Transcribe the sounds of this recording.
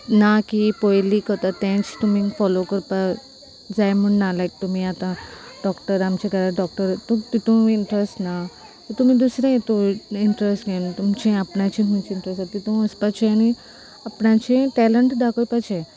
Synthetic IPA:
nakipojlikət̪at̪ẽt͡st̪umĩŋfɔlokəɾpa | d͡zajmuɳnalajk̚t̪umĩat̪ãɖɔkʈəɾamt͡ɕekaɾaɖɔk̚ʈəɾt̪ot̪it̪õiɳʈɾesʈna | t̪ɔt̪um̤ĩd̪usɾãet̪oiɳʈɾesʈɡent̪umt͡ɕẽapnat͡ɕĩt̪umĩt͡ɕiɳʈɾesat̪it̪õəspat͡ɕʰẽani | apɳat͡ɕẽʈɛləɳʈd̪akʰopat͡ɕʰẽ

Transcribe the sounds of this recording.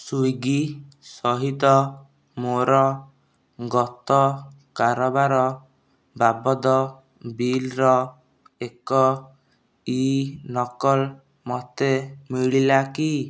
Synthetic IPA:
sujɡi | sɔɦit̪ɔ | moɾɔ | ɡɔt̪ɔ | kaɾɔbaɾɔ | babɔd̪ɔ | bilɾɔ | ekɔ | inɔkɔl | mɔt̪emiɭilaki

